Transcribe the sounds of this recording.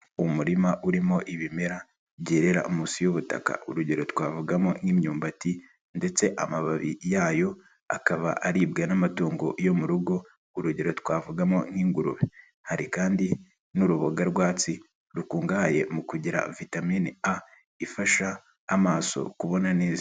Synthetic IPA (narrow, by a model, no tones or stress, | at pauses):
umuɾimaʔuɾimo̞ʔiβime̞ɾa | βɟeːɾe̞ɾa̰ʔumuːsijoβuta̰ka̰ṵɾuɟeɾo̞twaːvuɡamonŋimɲuːmbati | nde̞t͡se̞ʔamaβaβḭjaːjo̞ | a̰kaβa̰ʔaɾiːbɡanamatuːŋɡo̞ʔjo̞muɾuɡo̞ | uɾuɟeɾo̞twaːvuɡamo̞nŋiːŋɡuɾṵβe | haɾikaːndi | nuɾuβoɡaɾɡwaːt͡si | ɾukuːŋɡaje̞mukuɟiɾa̰vitamiːnia | ifaʃaː | maːso̞̰kuβo̞naneːzi